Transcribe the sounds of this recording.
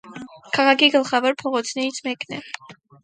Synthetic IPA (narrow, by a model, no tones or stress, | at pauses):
kʰaʁaɡiɡəlˠχavaɾpʰɔʁɔt̪sʰnɛit̪sʰʼmɛkʰʼnɛ